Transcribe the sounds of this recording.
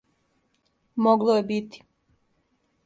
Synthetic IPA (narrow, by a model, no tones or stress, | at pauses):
moɡlˠojebit̪i̥